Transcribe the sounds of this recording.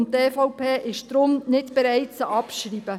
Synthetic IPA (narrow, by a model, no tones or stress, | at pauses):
ntːeːfɔʊpʰeːʔɪʃd̥ɾʊmnɪtb̥ɛɾɛɪtt͡səʔɑpʃriːbə